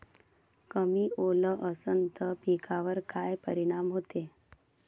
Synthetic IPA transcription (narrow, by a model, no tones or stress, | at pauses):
kəmiːoləʔəsənt̪əpikʰaʋəɾkajpəɾiɽ̃amɦot̪e